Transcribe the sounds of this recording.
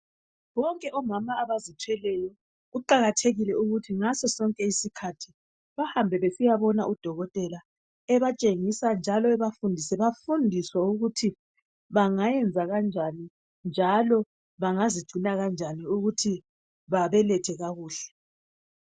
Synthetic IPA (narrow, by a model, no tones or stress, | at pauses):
βɔŋkʼɛʔɔmamaːβazitʰwɛlɛjɔ | ɣuǃaɣatʰeɣilɛuɣutʰiŋasɔsɔŋkʼɛisikʰatʰi | βahambʱɛβesijaβɔnaʔud̥ʱɔɣɔtʼɛla | ɛβat͡ʃʼeŋisand͡ʒʱalɔɛβafundʱisɛβafundʱiswauɣutʰi | βaŋajɛnd͡zʱaɣand͡ʒʱani | nd͡ʒʱalɔ | βaŋazid̥ʒ̥ʱunaɣand͡ʒʱaniuɣutʰi | βaβɛlɛtʰɛɣaɣuːɬɛ̥